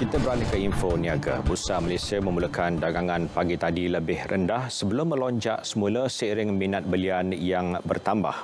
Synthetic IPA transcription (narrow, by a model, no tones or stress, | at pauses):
kit̪əbəɾanikəinfoniaɡa̰busamalesiamə̃muləkandaɡaŋãnpaɡit̪adiləbɪhrʔəndahsəbəlʊmːə̃lɔɲd͡ʒa̰ʔsəmuləsiɾɪŋminat̪̚bəlianjaŋbə̰rt̪amba̰h